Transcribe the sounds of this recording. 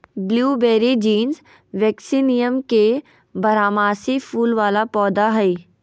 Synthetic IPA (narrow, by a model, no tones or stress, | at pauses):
bljuːbeːɾid͡ʒiːnz | ʋɛːksinijəmke | bɐɾaːmaːsifʰuːlʋaːlapɔːd̪aɦɛi